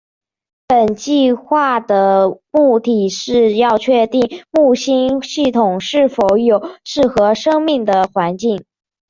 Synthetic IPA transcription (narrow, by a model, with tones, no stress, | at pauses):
pə˨˩nt͡ɕi˥˧xwa˥˩d̪ə˩mu˥˩t̪i˨˩ʂɻ̩˥˧jɑ˥˧ʊt͡ɕʰɥɛ˥˧t̪i˥˩ŋmu˥˩ɕi˥nɕi˥˩t̪ʰʊ˨˩ŋʂɻ̩˥˩fo˧˥ʊjo˨˩ʊʂɻ̩˥˩xɤ˧˥ʂɤ˥ŋmi˥˩ŋd̪ə˩xwa˧˥nt͡ɕi˥˩ŋ